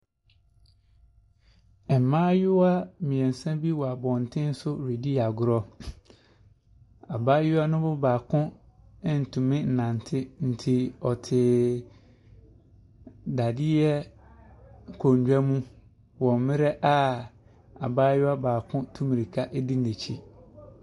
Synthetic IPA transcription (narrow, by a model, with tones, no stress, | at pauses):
ɛ˨m˨mãː˦jʊ˦a˦mĩ˨ɛ̃˨n̩˨sã˦bi˦wɔ˨a˨bɔ̃˨n̩˨tʰɪ̃˦n̩˦sʊ˦ɾe˨di˦a˨ɡʊ˨ɾɔ˦ | a˨baː˦jʊ˦a˦nʊ̃˦bʊ˦baː˨kʰʊ̃˦ | ɪ˦n̩˨tʰũ˨mɪ̃˦n̩˨nã˨n˨tʰɪ˦n̩˨tʰi˨ɔ˨tʰɪ˨ | da˨dɪ˦jɛ˦˨ | kʰo˨ɲ˨d͡ʑᶣa˦mũ˦ | wɔ̃˨m˨mɪ̃˦ɾɛ˦ʔa˦ | a̰˨baː˦jʊ˦a˦baː˨kʰʊ̃˦tʰũ˦mĩ˨ɾi˨kʰa˦ʔe˦di˦ne˨t͡ɕʰi˦